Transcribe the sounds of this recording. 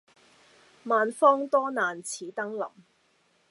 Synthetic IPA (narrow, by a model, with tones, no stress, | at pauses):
maː˨nfɔː˥ŋt̪ɔː˥naː˨nt͡sʰiː˨˥t̪ɐ˥ŋlɐ̰˨˩m